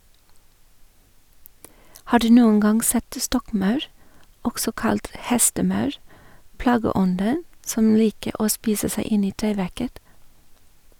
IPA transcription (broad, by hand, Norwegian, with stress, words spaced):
ˈhɑː ˈɖʉː ˈnuːəŋ ˈɡɑŋ ˈsɛt ˈstɔkˌmɑʉɾ ˈɔksɔ ˈkɑlt ˈhɛstəˌmɑʉɾ ˈplɑːɡəˌɔndən ˈsɔm ˈliːkə ˈoː ˈspiːsə ˈsæɪ ˈɪn ˈiː ˈʈeːˌʋæɾkət